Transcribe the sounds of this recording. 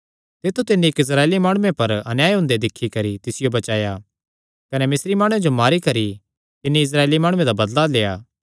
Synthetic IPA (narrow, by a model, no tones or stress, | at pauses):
t̪ɪt̪ʰːut̪ɪnːikɪs̬ɾaːeːlimaːɽ̃ʊːẽpɐɾɐnjaːjɦʊ̃nd̪ed̪ɪkʰːikɐɾit̪ɪsɪjobɐt͡ʃaːja | kɐnemɪsɾimaːɽ̃ʊ̃ẽd͡ʒomaːɾikɐɾi | t̪ɪnːiɪs̬ɾaːeːlimaːɽ̃ʊẽd̪abɐd̪laleːaː